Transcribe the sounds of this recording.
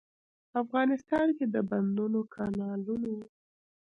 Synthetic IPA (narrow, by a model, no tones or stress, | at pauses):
afɣɑnɪst̪ɑnked̪əband̪unokʰɑnɑlunawu